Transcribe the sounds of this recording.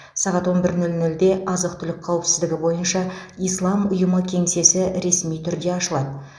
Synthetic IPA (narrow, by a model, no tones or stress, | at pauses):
sɑʁɑt̪wo̞nbɪɾnɵlnʏld̪e̞ʔɑzəq̚t̪ʰʏlɪk̚ʲqʰɑwɪpsɪzd̪ɪɡʲɪbo̞jənʃɑijslˠɑmʊjəməkʲʰe̞ŋse̞sɪɾe̞smijt̪ʰʏɾd̪e̞ɑʃəlˠɑd̪ə